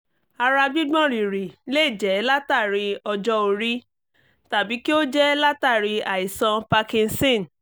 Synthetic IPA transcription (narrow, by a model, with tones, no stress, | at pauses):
a˧ɾa˧ɡ͡bi˦ɡ͡bɔ̃˦ɾi˨ɾi˨le˦i˦˨d͡ʒɛ˨˦la˦ta˦˨ɾi˧ɔ˧d͡ʒɔ˦o˧ɾi˦ | ta˨bi˨˦ki˦o˦d͡ʒɛ˦la˦ta˦˨ɾi˧a˨i˨sã˧pa˧kĩ˧n̩˦sĩ˦˨n˨